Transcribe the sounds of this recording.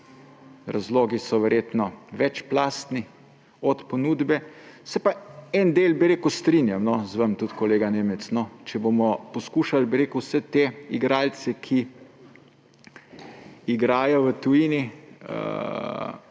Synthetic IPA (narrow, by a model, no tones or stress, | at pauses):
ɾazloːɡisɔʋɛɾjeːt̪nɔʋɛt͡ʃplaːst̪ni | ɔt̪pɔnuːd̪bɛsɛpaɛnd̪eːlbiɾeːkuwst̪ɾinjamnɔzʋəmt̪ut̪kɔleːɡaneːmɛsnɔt͡ʃɛbomɔpɔskuːʃalbiɾeːkuwsɛt̪eiɡɾaːlsɛkʰi | iɡɾaːjɔʋət̪ujiːniə̰